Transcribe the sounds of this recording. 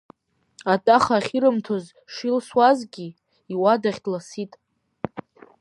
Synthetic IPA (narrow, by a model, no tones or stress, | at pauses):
atʼaχaːχʲiɾɨmtʰoz | ʂilswazɡʲi | iwadaχʲdlasitʼ